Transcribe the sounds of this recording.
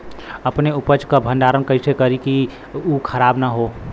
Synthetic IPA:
əpneupəd͡ʒkabʱənɖaɾənkəɪsekəɾiki | ukʰəɾaːbnaɦo

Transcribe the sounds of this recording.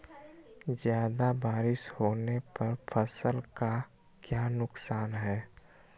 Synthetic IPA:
zjaːd̪abaːɾɪʃhoːnepɐɾpʰəsəlka | kjaːnʊksaːnɦɛː

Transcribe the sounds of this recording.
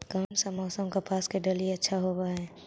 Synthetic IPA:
kamsəmɔːsəmkapaːskeɖəliətːʃʰaɦobaɦɛː

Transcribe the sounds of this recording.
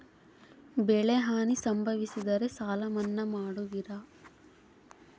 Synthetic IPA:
bɛɭeɦaːnisɐmbʱɐʋisid̪ɐɾe̞saːlɐmɐnːɐmaːɽuʋiɾɐ

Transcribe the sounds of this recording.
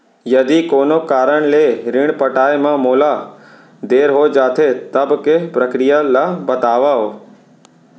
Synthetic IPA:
jɐd̪ikoːnokaːɾəɽ̃leːɾɪɽ̃pɐʈaːemãmoːla | d̪eːɾɦoːd͡ʒaːt̪ʰet̪ɐbkepɾɐkɾijalabɐt̪aːʋaɦoː

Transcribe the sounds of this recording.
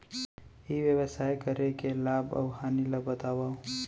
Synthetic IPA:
iʋjəwəsaːjkəɾekelaːbɐ̰wɦaːniləbət̪aːwa

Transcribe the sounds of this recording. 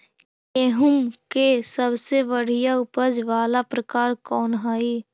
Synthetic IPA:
eːɦʊmkesəbseʋəɽ̤ijaʊpəd͡ʒʋaːlapɾəkaːɾkɔːnɦaːiː

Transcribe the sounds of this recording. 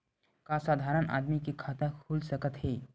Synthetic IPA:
kasaːd̪ʱaɾənʔa̰d̪mikikʰaːt̪akʰulsəkət̪ɦeː

